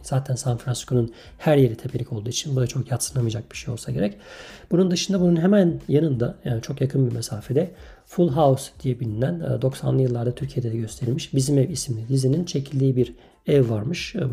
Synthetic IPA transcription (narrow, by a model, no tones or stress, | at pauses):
z̥aːt̪ʰænsanfɾansi̥skʰonun | hæɾje̞ɾit̪ʰe̞pʰelʲicʰo̞lˠd̪uːit͡ʃʰinbud̪at͡ʃʰo̞kjat̪sɯnlamɯjd͡ʒak̚b̥i̥ʃejo̞lˠsaɟe̞ɾɛcb̥unund̪ɯʃɯnd̪abununɦemænjanɯnd̪ajaːnit͡ʃʰo̞kjakʰɯnbimesaːfed̪ɛ | fulˠɦausd̪̥ijɛbilʲinæn̰d̪o̞ksa̰nlˠɯjɯlˠːaɾd̪at̪ʰyɾcʰijed̪ed̪ɛɟø̞st̪ʰe̞ɾilmiʃbizimɛvismlʲid̪izinint͡ʃʰe̞cʰilʲd̪ʲiːibiɾ | ɛvːaɾmɯʃ